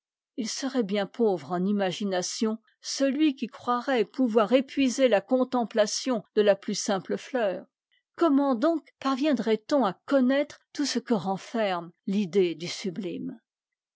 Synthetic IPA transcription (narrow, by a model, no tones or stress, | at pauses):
ilsəʁɛbjɛ̃pʰovʁɑ̃nimaʒinasjɔ̃ | səlɥikʲikχwaʁɛpuvwaʁepɥizelakɔ̃t̪ɑ̃plasjɔ̃d̪̥əlaplysɛ̃pləflœːʁ | kɔmɑ̃d̪ɔ̃kpaʁvjɛ̃d̪ʁɛt̪ɔ̃akɔnɛt̪χt̪usəkəʁɑ̃fɛʁmlid̪ed̪ysyblim